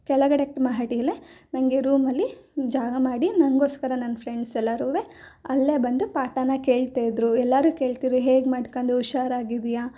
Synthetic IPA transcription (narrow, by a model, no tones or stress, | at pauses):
kɛɭɐɡɐɽek̚ʈmaːɦaʈijɐlenɐŋɡe̞ɾuːmɐlːid͡ʒaːɡɐmaːɽinɐŋɡo̞ːskɐɾɐnɐnːpʰɾeɳɖsɛlːaːɾuːʋe | ɐlːebɐnd̪upaːʈanːɐke̞ːɭt̪aːjd̪ɾuɛlːaɾuːke̞ːɭt̪iɾɾuɦeːɡmaːɖkand̪euʃaːɾaːɡid̪ijaː